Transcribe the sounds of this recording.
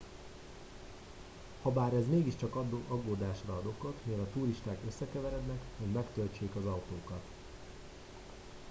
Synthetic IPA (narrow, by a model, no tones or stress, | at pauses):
hɒbaːɾɛzmeːɡiʃt͡ʃɒkɒd̪oʔɒɡoːd̪aːʃrɒɒd̪o̞kot̪milɒt̪uːɾiʃt̪aːkø̞sːɛkɛvɛɾɛd̪nɛkho̞ɟmɛkt̪ølt͡ʃeːkɒzɒwt̪oːkɒt̪